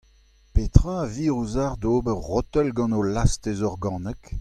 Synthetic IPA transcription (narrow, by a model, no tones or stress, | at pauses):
pet̪ʁaviːʁuzaʁd̪oːbəʁʁɔt̪ɛlɡɑ̃nolast̪ezɔʁɡɑ̃ːnɛk